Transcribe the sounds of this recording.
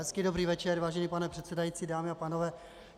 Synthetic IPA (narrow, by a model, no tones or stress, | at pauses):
ɦɛskɪdo̞bɾiːvɛt͡ʃɛɾvaːʒɛniːpanɛpr̥ɛt̪sɛdajit͡siːdaːmɪapaːnovɛː